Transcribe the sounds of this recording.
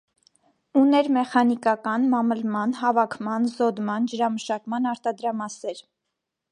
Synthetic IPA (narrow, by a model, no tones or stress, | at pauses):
unɛɾmɛχɑnikɑkɑnmɑməlmɑnhɑvɑkʰmɑnzɔd̪mɑnd͡ʒəɾɑməʃɑkmɑnɑɾt̪ɑd̪ɾɑmɑsɛɾ